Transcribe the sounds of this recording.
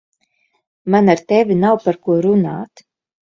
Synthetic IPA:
manaɾt̪ɛvʲinawpaɾkuɔɾunaːt̪

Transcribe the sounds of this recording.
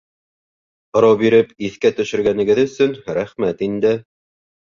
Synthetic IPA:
ŏɾɑwbiɾɘpiθkæt̪ɵ̆ʃɘ̆ɾɡænɘ̆ɡɘðɵ̆sɵnɾæχmæt̪ind̪ɘ

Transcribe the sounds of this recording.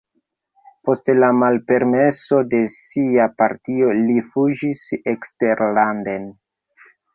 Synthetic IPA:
po̞stlamalpe̞ɾme̞so̞de̞siapaɾtio̞lifud͡ʒisekste̞ɾlanden

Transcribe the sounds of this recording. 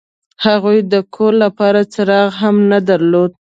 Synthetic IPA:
haɣujd̪əkʰoɾlːapɑɾat͡səɾɑɣɦamnad̪aɾlod̪̚

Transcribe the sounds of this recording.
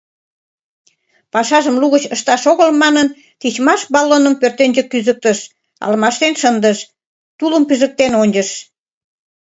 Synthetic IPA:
pɑʃɑʒəmluɣət͡ɕəʃt̪ɑʃoɣəlmɑnən | t̪it͡ɕmɑʃbɑlːonəmpørt̪enʲd͡ʑəkːyzək̚t̪əʃ | ɑ̰lmɑʃt̪enʃənd̪əʃ | t̪uləmpyzə̆k̚t̪enonʲd͡ʑəʃ

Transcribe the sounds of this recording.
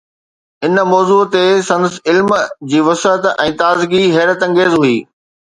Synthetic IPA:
ɪnmɔːzuːt̪esɐ̃nd̪əsɪlmd͡ʑiːʋɐst̪ɛ̃ːt̪aːzɡiɦɛːɾət̪ɐ̃ŋɡeːzɦuiː

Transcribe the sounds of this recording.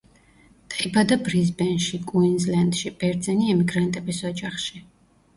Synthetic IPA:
t̪ʼqʼibad̪abɾizbɛnʃikʼuinzland̪ʃib̥ɛɾd̪zɛniɛmiɡɾant̪ʼɛbisɔd͡ʒaχʃi

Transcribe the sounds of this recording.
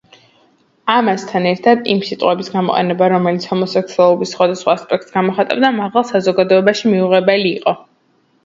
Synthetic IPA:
amast̪ʰanɛɾt̪ʰad̪ḭmsit̪ʼqʼwɛbisɡamɔqʼɛ̰nɛbaɾɔmɛlit̪sʰhɔmɔsaksʰuɛlˠɔbisχwad̪asχwaːspʼɛk̚ʰt̪ʼsɡamɔχat̪ʼa̰bd̪amaʁalˠsazɔɡad̪ɔɛbaʃimiuʁɛbɛliːqʼɔ

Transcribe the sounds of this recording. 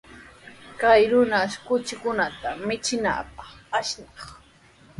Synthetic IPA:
kajɾʊnaʃkʊt͡ʃɪkʊnat̪amɪt͡ʃɪna̰ːpɑχaʃnɑχ

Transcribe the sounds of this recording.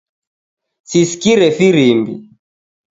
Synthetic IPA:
sisi̥kiɾɛfiɾimbḭ

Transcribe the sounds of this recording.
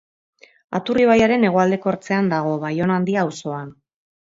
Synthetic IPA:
a̰t̪uriβ̞ajaɾe̞ne̞ɣ̞o̞ald̪e̞ko̞ɾt͡se̞and̪aɣ̞o̞βajo̞nand̪iaːwso̞an

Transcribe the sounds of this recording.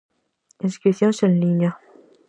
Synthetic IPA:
inskɾiθjonsenliɲa

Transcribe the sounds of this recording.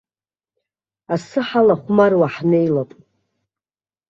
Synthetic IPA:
asɨħalaχʷmarwaħnejlapʼ

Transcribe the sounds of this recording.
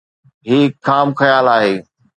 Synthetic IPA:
ɦiːkʰːaːmxɐjaːlaːɦeː

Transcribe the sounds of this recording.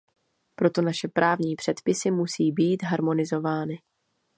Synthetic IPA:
pɾo̞t̪o̞naʃɛpɾʔaːvɲiːpr̝̥ɛt̪pɪsɪmusiːbiːt̪ɦaɾmo̞nɪzo̞vaːnɪ

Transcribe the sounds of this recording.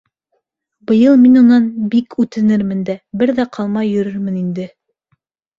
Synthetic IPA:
bɤ̆jɤlˠminunɑnbikʉt̪ɘ̆nɘɾmɘ̆nd̪æbɘɾðæqʰɑlˠmɑjːɵ̆ɾɵɾmɘ̆nind̪ɘ

